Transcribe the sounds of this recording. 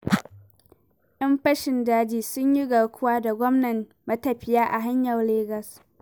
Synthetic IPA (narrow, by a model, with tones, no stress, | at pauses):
ʔɐ˦mɸɐ˦ʃɪ˨ndaː˦d͡ʒiː˨sʊ˦ɲji˦ɡɐ˨ɽkʷʊ˦waː˦da˨ɡʷɔ˦mnɐ˨m | mɐ˦tɐ˨ɸɪ˦jaː˦ʔa˨ɦa˦ɲjɐ˨rleː˦ɡɐ˨s